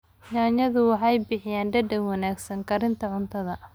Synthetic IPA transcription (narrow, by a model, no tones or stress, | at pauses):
ɲaːɲɐðʊwɑħɑjbɪħɪjaːnɖɐɖɛŋwɑnaːɡsɐŋkʰɐɾɪnt̪ʰɐʕʊnt̪ʰɐðɐ